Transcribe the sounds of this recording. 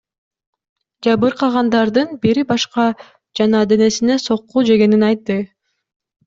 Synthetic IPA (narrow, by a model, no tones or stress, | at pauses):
d͡ʒɑβɯɾqɑʁɑnd̪ɑɾd̪ɯnbiɾibɑʃqɑ | d͡ʒɑnɑːd̪e̞ne̞sineso̞qːud͡ʒe̞ɡe̞ninɑjt̪ːɯ